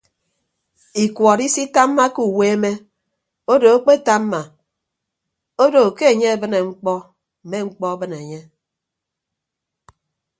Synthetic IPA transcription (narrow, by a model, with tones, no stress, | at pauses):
i˨kwɔ˨ɾi˦si˦ta˦mː˦a˦ku˨we˦e˦me˦ | o˦do˨o˦k͡pe˦˨ta˦m˦ma˨ | o˦do˨ke˦e˨ɲe˦e˨bɨ˦ne˨ŋ͡m̩˦k͡pɔ˦ | m̩˨me˦ŋ͡m̩˦k͡pɔ˦a˦bɨ˦ne˨ɲe˦